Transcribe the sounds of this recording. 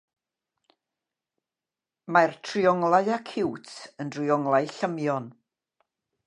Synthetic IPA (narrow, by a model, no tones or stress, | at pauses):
martʰriɔŋlˠaɨakʰɪwtʰəndriɔŋlˠaɨɬəmjɔn